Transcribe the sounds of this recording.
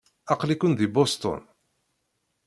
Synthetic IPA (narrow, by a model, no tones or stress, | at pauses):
ɑqlikʊnðibɔst̪ɔ̰n